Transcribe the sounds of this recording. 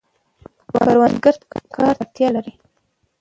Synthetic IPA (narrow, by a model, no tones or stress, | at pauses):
wa̰aɾwand̪ɡəɾt̪kkʰɑɾt̪aɾt̪jɑlaɾi